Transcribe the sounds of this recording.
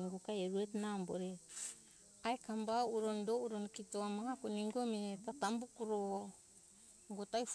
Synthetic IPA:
iɡokajeɾuetnambo̰ɾe | ajkambauɾondouɾonkitoamahakuniŋɡometatambukuɾo | ŋɡotajf

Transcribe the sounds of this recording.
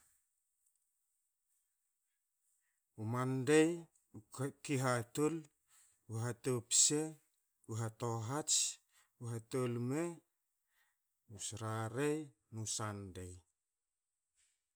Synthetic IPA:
umandej | ukiɦatol | uɦatopse | uɦatoɦat͡ʃ | uɦatolme | usɾaɾej | nusandej

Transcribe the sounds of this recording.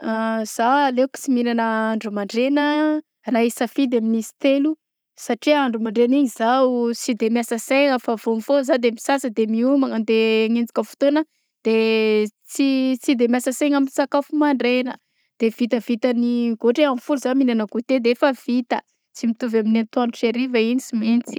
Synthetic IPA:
az̥aaleku̥t͡siminanəaɳɖ͡ʐumaɳɖ͡ʐenə | raisafid̪eaminisi̥t̪elu | saʈ͡ʂiaɳɖ͡ʐumaɳɖ͡ʐeniɲizaut͡sid̪emjasəseŋəfavomifozad̪emisasəd̪emiumaŋənd̪eŋend͡zi̥kʲəfu̥t̪onə | d̪̥e | t͡sit͡sid̪emjasəseŋaminsakafumaɳɖ͡ʐenə | d̪̥ev̥it̪əvit̪əniɡoʈ͡ʂeamfuluzaminanəkut̪ed̪eefəv̥it̪ə | t͡simit̪uvaminant̪uanuʈ͡ʂeɾivəinisimint͡si̥

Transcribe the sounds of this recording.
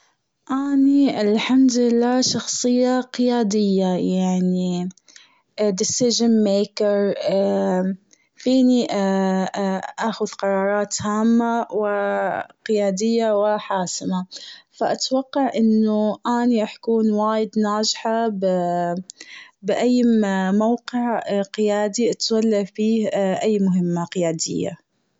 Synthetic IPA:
ʔaːniɪlħamd̪ɪlːaːʃɑxsˤɨjːaqɪjaːd̪ɪjːajaʕni | d̪ɪsɪʒɪnmeːkɑɾ | fiːni | ʔaːxʊðqɑɾˤɑːɾˤɑːt̪haːmːawɪqɪjaːd̪ɪjːawɪħaːsɪmafaʔat̪wɑqːɑʕʔɪnːʊʔaːniʔaħkuːnwaːjɪd̪naːd͡ʒħab | bɪʔajːmawqɪʕqɪjaːd̪iʔat̪walːafiːhʔajːmʊɦɪmːaqɪjaːd̪ɪ̰jːa̰

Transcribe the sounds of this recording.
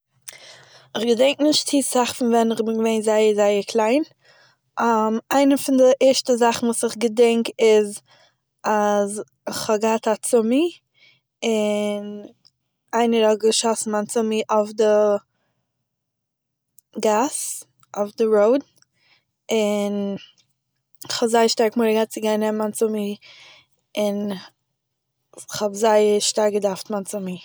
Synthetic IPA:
ɪχɡədɛŋk̚nɪʃttiːsaχfɪnvɛnɪχbɪɡəveɪnzaɪəzaɪəkʰlˠaɪn | ʔamaɪnəfɪndɪʔɛʃtəzaχn̩vuːsɪχɡədɛŋkɪz | az | ɪχɔɡəhatat͡sʊmi | ɪn | aɪnəɾɔɡəʃɔsn̩ant͡sʊmiʔafdə | ɡas | ɔfdəɾoʊd | ɪn | χhɔbzaɪəʃtaɾkmʊɾəɡat̚t͡sɪɡaɪnɛmmant͡sʊmi | ɪn | χɔbzaɪəɾʃtaɾɡədaftmant͡sʊmi

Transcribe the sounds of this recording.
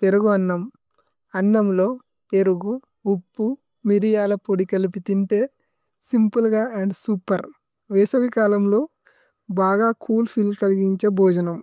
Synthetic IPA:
peɾuɡuɐnːɐm | ɐnːɐmlo̞ː | pe̞ɾuɡu | upːu | miɾijaːlɐpoɽikɐlipit̪iɳʈe̞ː | simpulɡaːɐɳɖsuːpɐɾ | ʋɛːsɐʋikaːlɐmlo̞ː | baːɡaːkʰuːlpʰilmkɐliɡiɲt͡ʃeːbʱɔːd͡ʒɐnɐm

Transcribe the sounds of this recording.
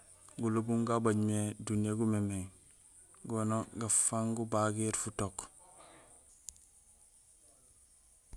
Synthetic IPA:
ɡulubuŋɡabaɟmedunijaɡumemeŋ | ɡonoɡafaŋɡubaɡiɾfutok

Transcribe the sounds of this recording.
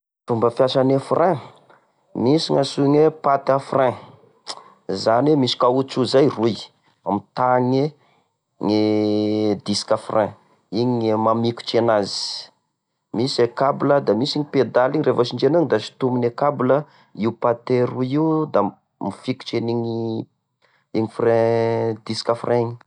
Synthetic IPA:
fumbəfjaʃanefrʔɛ̃ | misiŋasuɲepat̪afrɛ̃ | zanemisi̥kaut͡suzajruj | amit̪aŋe | ŋe | d̪iskafrʔɛ̃ | iɲemamiku̥t͡ʃenazi̥ | misekabləd̪amisiɲiped̪aliɲirefat͡ʃiɳd͡ʒenəŋid̪aʃi̥t̪uminekablə | iupat̪eɾuiud̪a | mifiku̥t͡ʃeniɲi | iŋifrɛ̃d̪isi̥kafrʔɛ̃ɲi̥

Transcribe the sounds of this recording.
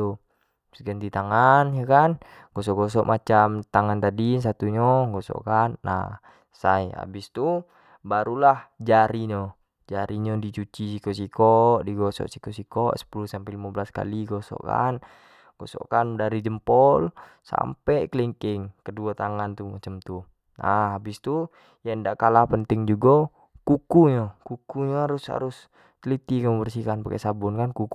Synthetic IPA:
u | sɡənt̪it̪aŋanjakan | ɡ̥ɔs̬ɔʔɡɔs̬ɔʔmat͡ʃamt̪aŋant̪adins̬at̪uɲɔɡɔsɔ̰kanːa̰ | saia̰bist̪u | baɾulahd͡ʒaɾiɲɔ | d͡ʒaɾʔiɲɔdit͡ʃut͡ʃisikɔsikɔdiɡɔsɔ̰ʔsikɔsikɔʔsə̥pulusampɛlimabəlaska̰liɡɔsɔ̰ka̰n | ɡ̥ɔsɔ̰kandaɾid͡ʒəmpɔlsa̰mpɛkəliŋkɪŋkəduat̪aŋant̪umat͡ʃəmt̪u | ʔaabist̪u | jandaʔkalapənt̪ɪŋd͡ʒuɡɔ | kukuɲɔkukuɲɔaɾusha̰ɾʊs | t̪lit̪ikamubərsikanpakɛ̰ʔsabunkankuk

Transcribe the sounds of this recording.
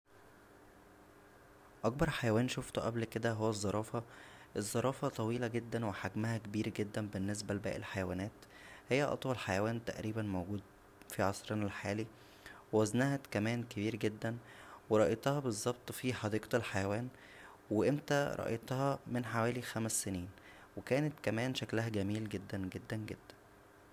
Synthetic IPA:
ʔɑk̚bɑɾˤħajæwæːnʃoft̪ʔæblked̪æɦowːæzˤːɑɾˤɑːfɑʔezˤːɑɾˤɑːfɑt̪ˤɑwiːlæɡed̪ːænweħaɡmæhækebiːɾɡed̪ːænbenːes̬bælbæ̰ːʔḛlħajæwæːnæːt̪ | hejːæʔɑ̰t̪ˤwɑlħajæwæːnt̪æ̰ʔɾiːbænmoɡuːd̪̚ | fiʕɑsˤɾɑnælħaːli | wewæznæhæt̪kæmæːnkebiːɾɡed̪ːænweɾˤɑʔet̪ˤɑhɑbezˤːɑb̚t̪ˤfiħɑd̪iːqt̪elħajæwæːn | weʔemt̪æɾˤɑ̰ʔḛt̪ˤhɑmenħawæːlixæmæsːeniːn | wekæːnet̪kæmæːnʃæklæhæɡæmiːlɡed̪ːænɡed̪ːænɡed̪̥ːæ̥n

